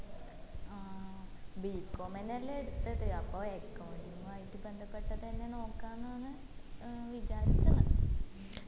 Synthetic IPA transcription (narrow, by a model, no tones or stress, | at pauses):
aːbiːkːoːmenːɐleɽut̪ːɐðɨɐpːoːekːɐwuɳɖiŋajitːɨbe̞nd̪ʱɐpːe̞ʈːɐðenːeno̞ːkːaːnːanɨ | ʋit͡ɕaːɾit͡ɕːɐmɐ